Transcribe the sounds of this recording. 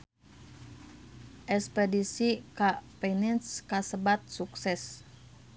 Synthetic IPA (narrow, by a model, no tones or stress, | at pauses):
ʔɛkspɛdisikapɛnɛnskasəbat̪̚suksɛs